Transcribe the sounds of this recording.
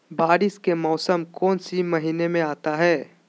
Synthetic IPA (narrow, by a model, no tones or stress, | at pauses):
baːɾɪskemɔːsəmkɔːnsimɐɦiːnemẽaːt̪aɦɛː